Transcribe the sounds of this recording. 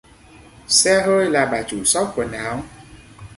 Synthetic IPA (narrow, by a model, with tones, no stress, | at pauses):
sɛ˧ɦəː˧jlaː˨˩ɓaː˨˩t͡ɕu˧˩sɔ˦˥p̚ku˧˩ənaː˨˦w